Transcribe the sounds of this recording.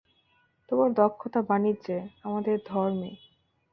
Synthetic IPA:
t̪omaɾd̪ɔkʰːot̪abaniːd͡ʑeamad̪eɾd̪ʱɔɾme

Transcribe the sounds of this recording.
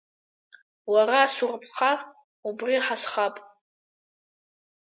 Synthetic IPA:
waraːsurpʰχa | ubriħasχapʼ

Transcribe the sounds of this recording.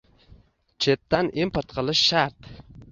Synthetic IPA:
t͡ʃʰet̪ːanimpʰoɾt̪qʰɨlˠɪʃːaɾt̪

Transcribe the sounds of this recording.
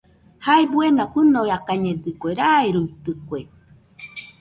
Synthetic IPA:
haebwenapɨnojakaɲẽd̪ɨkʷeɾaeɾuit̪ɨkue

